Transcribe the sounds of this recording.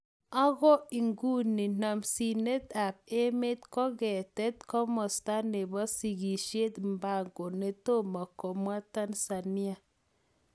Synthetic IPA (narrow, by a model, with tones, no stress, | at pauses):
a˦ɣɔ˦i˨ŋɡu˦ni˨na˨msi˨ne˦t̪a˨b̚e˦me˦t̪kɔ˦ɡɛ˨tɛ˦t̪̚kɔ˦mɔ˨sta˦ne˨ba˦si˨ɡi˨ʃe˦t̪mba˦˨ŋɡo˨ne˦to˦ma˨kɔ˨mwa˦ta˦nsa˨ni˦a˨